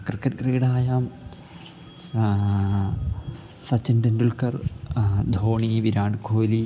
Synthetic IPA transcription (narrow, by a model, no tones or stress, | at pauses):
kɨrkːɐʈ̚kreːɽaːjaːm | sɐt͡ɕːindɐndulkɐrd̪ʱoːɳiʋiɾaːɳɖkʰoːli